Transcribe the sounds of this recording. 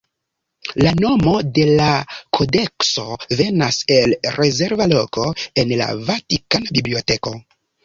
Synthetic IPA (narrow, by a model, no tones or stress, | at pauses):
lano̞mo̞de̞lakʰo̞de̞kso̞ve̞nase̞lɾe̞ze̞ɾvalo̞ko̞e̞nla̰vatikanabiblio̞te̞ko̞